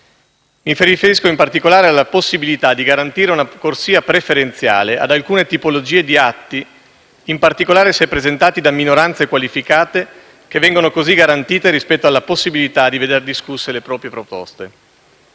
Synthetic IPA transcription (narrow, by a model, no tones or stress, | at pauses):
mifeɾifeɾiskoimpart̪ikolaːɾealːaposːibilit̪ad̪ːiɡaɾant̪iːɾeunakorsiːapɾefeɾent̪sja̰ːleʔa̰d̪alkuːnet̪ipolod͡ʒiːed̪iat̪ːi | impart̪ikolaːɾesepːɾezent̪aːt̪id̪aminoɾant̪sekwalifikaːt̪e | kevːɛŋɡonokoziɡaɾant̪iːt̪eɾispɛt̪ːoalːaposːibilit̪ad̪ived̪erd̪iskusːelepɾɔːpɾjepɾopɔ̰st̪e